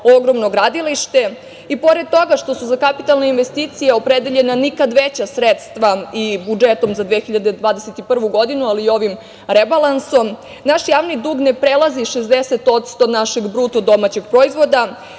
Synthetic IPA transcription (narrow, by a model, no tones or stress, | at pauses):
o̞ɡɾo̞mnoɡɾad̪iliʃt̪e̞ | ipo̞ɾed̪̚t̪o̞ɡaʃt̪o̞suzakapit̪alˠneinʋest̪it̪sijeo̞pɾed̪eʎe̞nanikad̪ʋet͡ɕasɾet̪st̪ʋaibud͡ʒet̪o̞mzad̪ʋexiʎad̪ed̪ʋaːd̪eset̪ipr̩ʋuɡo̞d̪inualiːo̞ʋim | ɾebalˠanso̞m | naʃjaːʋnid̪uːɡne̞pɾelˠaziʃezd̪eset̪o̞t̪st̪o̞naʃeɡbɾut̪od̪o̞mat͡ɕeɡ̥pɾo̞izʋo̞d̪a